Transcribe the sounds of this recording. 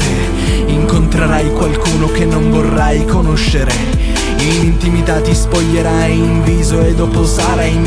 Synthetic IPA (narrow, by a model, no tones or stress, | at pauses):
e | iŋkont̪ɾeɾajkwalkuːnok̟enːoɱvorːajkonoʃːeɾe | inint̪imit̪at̪ispoʎːeɾa | iɱviːzoed̪ːɔːposaɾain